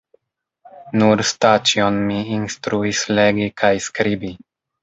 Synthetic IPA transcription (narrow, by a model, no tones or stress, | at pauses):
nuɾst̪at͡ʃionmiːnst̪ɾuisleɡikʰajskɾibi